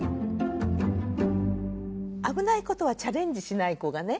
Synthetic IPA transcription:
abɯ̟naiko̞t̪o̞β̞at͡ɕaɾẽ̞ɲ̟d͡ʑiɕinaiko̞ɡane̞

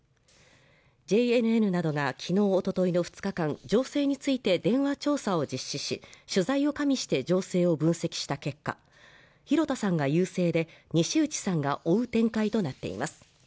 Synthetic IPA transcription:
d͡ʑe̞eɾɯ̟e̞ɾɯ̟nad̪o̞ɡakʲʰino̞ːot̪o̞t̪o̞ino̞ɸɯ̟̥t͡sɨ̥kakãnd͡ʑo̞ːse̞ːɲ̟it͡sɨit̪e̞d̪ẽ̞ɰ̃βat͡ɕo̞ːsao̞d͡ʑiɕːiɕiɕɨzaio̞kamʲiɕi̥t̪e̞d͡ʑo̞ːse̞ːo̞bɯ̟̃ɰ̃se̞kʲi̥ɕi̥t̪ake̞kːa̰ | çiɾo̞t̪asãŋɡajɯ̟ːse̞ːd̪e̞ɲ̟iɕiɯ̟t͡ɕi̥sãŋɡaʔo̞ɯ̟t̪ẽ̞ŋkait̪o̞nat̪ːe̞̰ḭmasɨ̥

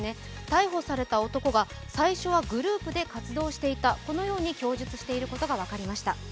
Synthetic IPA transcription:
ne̞ | t̪aiɦo̞saɾe̞t̪ao̞t̪o̞ko̞ɡa | saiɕo̞β̞aɡɯ̟ɾɯ̟ːpɯ̟d̪e̞kat͡sɨd̪o̞ːɕi̥t̪e̞it̪ako̞no̞jo̞ːɲ̟ikʲo̞ːʑɨt͡sɨ̥ɕi̥t̪e̞iɾɯ̟ko̞t̪oɡaβakaɾʲimaɕi̥t̪a

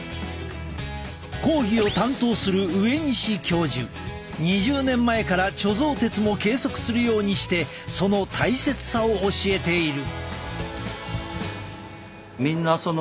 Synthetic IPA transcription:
ko̞ːɡʲio̞t̪ãnt̪o̞ːsɨɾɯ̟ɯe̞ɲ̟iɕikʲʰo̞ːʑɨ̰ | ɲ̟iʑɨːnẽ̞mːae̞kaɾat͡ɕo̞zo̞ːt̪e̞t͡sɨmo̞ke̞ːso̞kɯ̟̥sɨɾɯ̟jo̞ːɲ̟iɕi̥t̪e̞ | so̞no̞t̪ʰaise̞t͡sɨ̥sao̞ːɕie̞t̪e̞iɾɯ̟ | mʲĩnːason

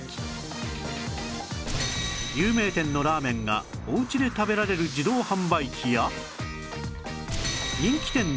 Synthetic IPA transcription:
jɯːme̞ːt̪ẽ̞nːo̞ɾaːmẽ̞ŋɡa̰oɯ̟t͡ɕid̪e̞t̪abe̞ɾaɾe̞ɾɯ̟d͡ʑid̪o̞ːhãmbaikʲija | ɲĩŋkʲi̥t̪ẽ̞nː

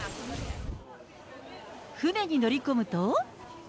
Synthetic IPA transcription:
hɯne̞ɲ̟inoɾʲikomɯ̟t̪o

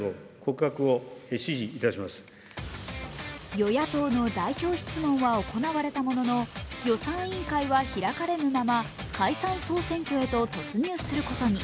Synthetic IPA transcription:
okʰokakɯ̟oeɕiʑiːt̪aɕimasɨ̥ | jo̞jat̪o̞ːno̞d̪aiço̞ːɕi̥t͡sɨmõ̞ɰ̃βaoko̞naβaɾe̞t̪amo̞no̞no̞jo̞sãɰ̃ĩŋkaiβaçiɾakaɾe̞nɯmama | kʰaisãɰ̃so̞ːsẽ̞ŋkʲo̞e̞t̪o̞t̪o̞t͡sɨɲ̟ɨːsɨɾɯ̟ko̞t̪o̞ɲ̟i

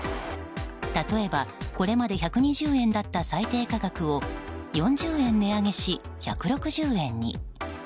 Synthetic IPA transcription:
t̪at̪o̞e̞bako̞ɾe̞mad̪e̞çakɯ̟ɲ̟iʑɨːẽ̞nd̪at̪ːasait̪e̞ːkaɡakɯ̟o̞jõ̞ɲ̟d͡ʑɨːẽ̞nːe̞aŋe̞ɕi | çakɯ̟ɾo̞kɯ̟ʑɨːẽ̞ɲ̟ːḭ

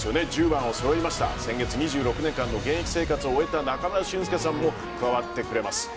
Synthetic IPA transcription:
sɨjo̞ne̞d͡ʑɨːbãɰ̃o̞soɾo̞imaɕi̥t̪a̰sẽ̞ŋɡe̞t͡sɨɲ̟iʑɨːɾo̞kɯ̟nẽ̞ŋkãnːo̞ɡẽ̞ɰ̃ekʲi̥se̞ːkat͡sɨoːe̞t̪anakanaɕĩsɨ̥ke̞s̬ãmːo̞ | kɯ̟βaβat̪ːe̞kɯ̟ɾe̞masɨ̥

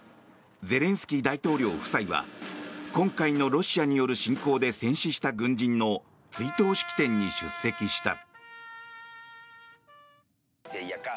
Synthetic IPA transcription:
d͡ze̞ɾẽ̞ɰ̃sɨ̥kʲid̪ait̪o̞ːɾʲo̞̰ːɸɯ̟̥saiβa̰kõ̞ŋkaino̞ɾo̞ɕiaɲ̟ijo̞ɾɯ̟ɕĩŋko̞ːd̪e̞sẽ̞ɰ̃ɕiɕi̥t̪aɡɯ̟̃ɲ̟d͡ʑĩnːo̞ | t͡sɨit̪o̞ːɕi̥kʲi̥t̪ẽ̞ɲ̟ːiɕɨsːe̞kʲiɕi̥t̪a̰

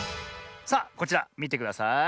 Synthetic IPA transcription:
saːko̞t͡ɕiɾamʲit̪̬e̞kɯ̟d̪asa

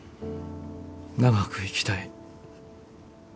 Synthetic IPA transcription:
naɡakɯ̟ikʲi̥t̪ai

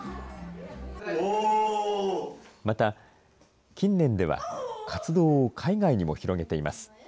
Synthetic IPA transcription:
mat̪a | kʲĩnːẽ̞nd̪e̞βa̰kʰat͡sɨd̪o̞ːkʰaiɡaiɲ̟imo̞̰çiɾo̞ɡe̞t̪e̞ima̰sɨ̥

